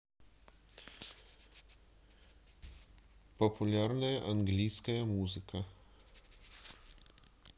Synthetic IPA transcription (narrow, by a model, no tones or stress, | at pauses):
pɔpulʲæɾnʲɐjɛʔɐŋɡlʲiːskɐjɛmuːzʲɪkɐ